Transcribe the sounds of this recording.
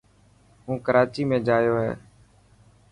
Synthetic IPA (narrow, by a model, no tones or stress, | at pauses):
ɦũːkəɾaːt͡ʃiːmẽːd͡ʒaːjoːɦɛ̰ː